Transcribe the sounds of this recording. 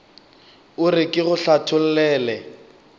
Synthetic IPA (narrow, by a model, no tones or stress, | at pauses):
ʊrɪkʼɪɣʊɬatʰʊl̩lɛːlɛ